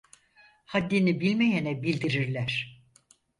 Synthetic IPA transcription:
had̪ːinibilʲmejɛnɛbilʲd̪iɾiɾlʲæɾ̥

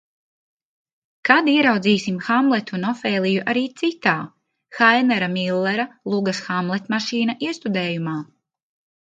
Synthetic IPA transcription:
kad̪iɛɾawd̪ziːsimxamlˠɛt̪ʲunɔfeːlˠijuʔaɾiːt̪sit̪aː | xajnɛɾamilˠːɛɾalˠuɡɐsxamlˠɛt̪maʃiːnaʔiɛst̪ud̪ɛːjumaː

